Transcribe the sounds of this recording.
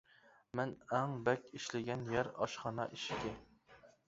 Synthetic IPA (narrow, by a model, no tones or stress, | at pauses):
mɛnɛŋbɛkʲiʃlɪɡʲɛnjɛɾɑ̰ʃχɑnɑʔiʃkʲɪ